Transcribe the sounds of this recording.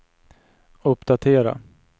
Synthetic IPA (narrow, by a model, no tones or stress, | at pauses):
ɵpːd̪at̪ʰeːɾa̰